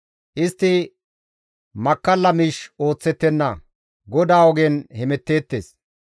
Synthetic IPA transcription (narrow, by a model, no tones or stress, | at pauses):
ʔɪst̪ːɪ | mɐkːɐlːɐmiːʃo̞ːt͡sːɛt̪ːɛnːɐ | ɡɔd̪aːɔɡeːnhɛmɛt̪ːe̞ːt̪ːeːs